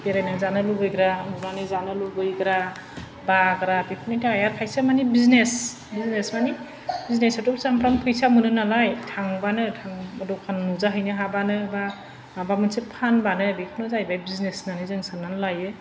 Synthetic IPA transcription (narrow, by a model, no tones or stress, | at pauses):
beɾajnɯzanɯlubɯjɡɾamunanizanɯlubɯjɡɾa | baɡɾabipʰɯnitʰajaɾpʰajsamanibiznes | biznesmani | biznesɯtɔp̚zampɾaŋpʰɯjsamɯnɯnalajtʰaŋbanɯtʰaŋɔdɔkʰannuzaɦɯjnɯɦabanɯba | mabamɯnsepʰanbanɯbikʰɯnɯzajbajbiznesnanɯzɯŋsananlajɯ